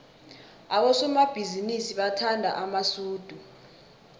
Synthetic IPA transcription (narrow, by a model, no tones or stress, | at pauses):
aɓɔsɔmab̥ʱizinisiɓatʰandʱa̰ʔamasuːd̥ʱu